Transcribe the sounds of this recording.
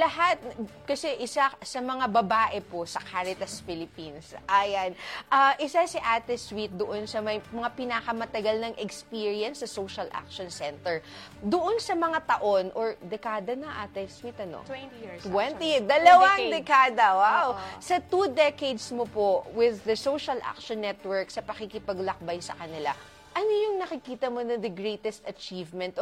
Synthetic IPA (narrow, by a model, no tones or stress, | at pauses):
lɐɦat̪̚kɐsɛʔɪsasɐmɐŋabɐbaːʔɛposɐkʰaːɾɪt̪ɐsfɪlɪpinsʔajanʔɐʔɪsasɪʔaːt̪ɛswit̪̚d̪oʔonsɐmɐjmɐŋapɪnakɐmɐt̪ɐɡɐlnɐŋʔɛkspiːɹiɐnsːɐsowʃɐlʔa̰k̚ʃonsɛnt̪ɛɹ | d̪oʔonsɐmɐŋat̪ɐʔo̞nʔoɹd̪ɛkaːd̪ɐnɐŋʔaːt̪ɛswit̪ɐno̰t̪wɛnt̪id̪ɐlɐwaŋd̪ɛkaːd̪ɐwawsɐt̪ud̪ɛkejd̪smopowɪðːɐsowʃɐlʔa̰k̚ʃonːɛt̪wɛɹksɐpɐkikɪpɐɡlɐk̚bajsɐ̰kɐnɪla | ʔɐnojʊŋnɐkɪkiːt̪ɐmonɐŋd̪ɐɡɹejt̪ɛst̪ɐt͡ʃiːvmɛnt̪